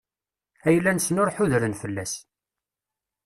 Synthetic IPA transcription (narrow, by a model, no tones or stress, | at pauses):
æjəlːænsnʊɾħʊðɾənfəlːæs